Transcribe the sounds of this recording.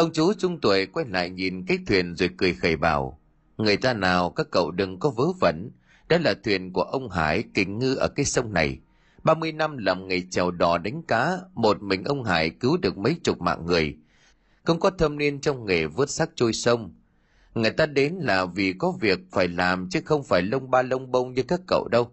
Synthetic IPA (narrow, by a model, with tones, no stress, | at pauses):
ʔə˧wŋ͡mt͡ɕu˨˦t͡ɕʊ˧ŋ͡mt̪wə˨˩jkwɛ˧nla̰ː˧˨jɲi˨˩nkaː˨˦jt̪ʰwi˨˩ənzḛ˨˩əkːɨ˨˩əjxə˨˩jɓa̰ː˧˩w | ŋɨ˨˩əjt̪aː˧naː˨˩wkaː˦˥kːə̰˧˨wɗɨ˨˩ŋkɔ˨˦vəː˨˦və̰˧˩n | ɗɔ̰˨˦laː˨˩t̪ʰwi˨˩ənku˧˩əʔə˧wŋ͡mɦa̰ː˧˩jkï˨˩ŋ̟ŋɨ˧ʔəː˧˩kaː˨˦jsə˧wŋ͡mna˨˩j | ɓaː˧mɨ˧əjna˧mlaː˨˩mŋe˨˩jt͡ɕɛ˨˩wɗɔ˨˩ɗa˨˦jŋ̟kaː˨˦mo˨˩t̚mï˨˩ŋ̟ʔə˧wŋ͡mɦa̰ː˧˩jkɨ˨˦wɗɨ˨˩ək̚mə˨˦jt͡ɕʊ˨˩t̚ma̰ː˧˨ŋŋɨ˨˩əj | xə˧wŋ͡mkɔ˨˦t̪ʰə˧mni˧ənt͡ɕɔ˧wŋ͡mŋe˨˩vɨ˦˥ət̚sa˦˥k̚t͡ɕo˧jsə˧wŋ͡m | ŋɨ˨˩əjt̪aː˧ɗe˨˦nlaː˨˩vi˨˩kɔ˨˦vi˨˩ək̚faː˧˩jlaː˨˩mt͡ɕɨ˨˦xə˧wŋ͡mfaː˧˩jlə˧wŋ͡mɓaː˧lə˧wŋ͡mɓə˧wŋ͡mɲɨ˧kaː˦˥kːə̰˧˨wɗə˧w